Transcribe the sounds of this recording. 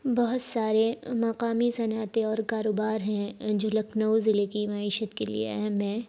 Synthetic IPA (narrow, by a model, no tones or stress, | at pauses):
bɔɦʊt̪saːɾemɐqaːmisɐnaːt̪eɔːɾkaːɾoːbaːɾɦɛ̃d͡ʒoːlɐkʰnəwzɪlekimɐiːʃət̪kelḭḛɛɦmɦɛ̃